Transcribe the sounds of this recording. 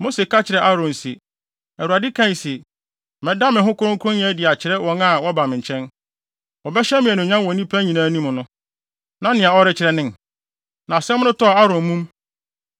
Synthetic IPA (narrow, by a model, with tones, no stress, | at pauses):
mo˦se˨ka˦t͡ɕʰɪ˨ɾɛ˨ʔa˦ɾɔ̃˨n˨si˨ | æ˨wu˨ɾa˨dɪ˦kʰã˦˨n˨sɛ˨ | mɛ̃˨da˦mɪ̃˨ɦʊ̃˦kʰʊ˦ɾʊ̃˦kʰʊ˦ʊ̃˦n˦ɛ̃˦dɪ˨a˨t͡ɕʰɪ˨ɾɛ˦wɔ̃˦na˨wɔ˦ba˨mɪ̃˨ɲ˨t͡ɕʰɛ̃˦n | wɔ˨bɛ˦ɕɛ˦mɪ̃˨ɛ˨nʊ̃˨ɲã˦nwɔ̃˨nĩ˦pʰa˦ɲĩ˨nãː˦nĩ˦mʊ̃˨nʊ̃˦ | nã˦nɪ̃˨a˨ɔ˦ɾɪ˦t͡ɕʰɪ˨ɾɛ˨nɪ̃˦n | nã˨sɛ˦m̃˦nʊ̃˦tɔ˦˨a˦ɾɔ̃˨m˦mũ˦m